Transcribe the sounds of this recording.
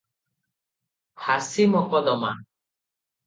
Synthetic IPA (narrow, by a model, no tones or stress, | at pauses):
hasimɔkɔd̪ɔma̰